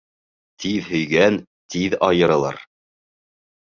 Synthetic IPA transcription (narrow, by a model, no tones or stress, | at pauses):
t̪ʰiðhɵ̆jɡæn | t̪iðɑjɤ̆ɾɤ̆lˠɑ̰ɾ